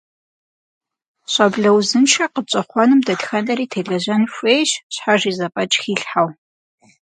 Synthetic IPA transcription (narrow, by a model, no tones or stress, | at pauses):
ɕʷʼɐbɮɐwzɨnʃʰɐqət͡ʃʼɐχʷɔnɨmdɐtxɐnɐɾiːtʰeːɮɐʑɐnfʷeːjɕɕħaʒiːzɐpʼɐt͡ʃʼxiːɬħaw